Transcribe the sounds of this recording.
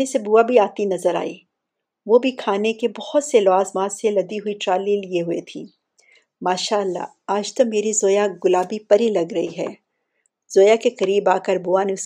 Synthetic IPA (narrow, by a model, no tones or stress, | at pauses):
esebuabʱiaːt̪inɐzəɾa̰ːiː | ʋoːbʱikʰaːnekebɔhʊt̪selaːzmaːselɐd̪iɦʊiʈɾaːliːlieɦʊet̪ʰḭː | maːʃaːəlːa̰ | aːd͡ʒt̪omeːɾizoːjaɡʊlaːbipɐɾilɐɡɾɐɦiɦɛ̰ː | z̥oːjakekɐɾiːbaːkəɾbuaneʊs